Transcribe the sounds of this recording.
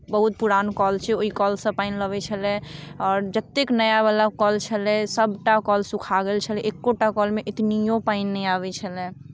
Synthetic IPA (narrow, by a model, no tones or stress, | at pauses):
bəɦut̪̚puɾankɔlt͡ʃʰɛoikɔlsə̃paɪnləbɛt͡ʃʰəlɛɔːɾd͡ʒət̪ːeknəjabalakɔlt͡ʃʰəlɛsəbʱʈakɔlsukʰaɡelt͡ʃʰəlɛʔekːoʈakɔlmeʔit̪nijopaɪnːɛaβɛt͡ʃʰəlɛ̃